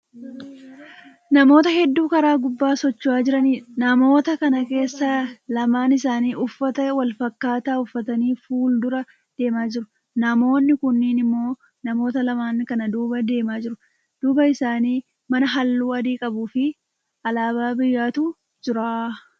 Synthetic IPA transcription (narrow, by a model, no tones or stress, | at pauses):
nɐmo̞ːt̪ɐhɛd̪ːuːkɐɾaːɡʊbːaːsɔt͡ʃːʊaːd͡ʒɪɾɐniːnɐmo̞ːt̪ɐkɐnɐke̞ːsːɐlɐmaːnɪsaːniːʔʊfːɐt̪ɐwɐlfɐkːaːt̪aːʊfːɐt̪ɐniːfuːld̪ʊɾɐ | d̪̥e̞ːmaːd͡ʒɪɾʊ | nɐmo̞ːnːɪkʊnːɪːnɪmːo̞ː | nɐmo̞ːt̪ɐlɐmaːnkɐnɐd̪uːbɐd̪e̞ːmaːd͡ʒɪɾʊ | d̪̥uːbɐɪsaːniː | mɐnɐɦɐlːuːɐd̪iːkʼɐbuːfɪ | ɐlaːbaːbɪjːaːt̪uː | d͡ʒɪɾaː